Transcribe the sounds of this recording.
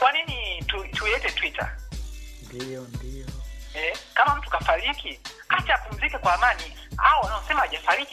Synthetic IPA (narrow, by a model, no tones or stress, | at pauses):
kwaninitutulɛtɛtwita̰ | ndɔdiɔɛkamam̩tu̥kafaɾikikat͡ʃaapum̩zikɛkwaːmani | aɔwanaɔsɛmahaʄafaɾiki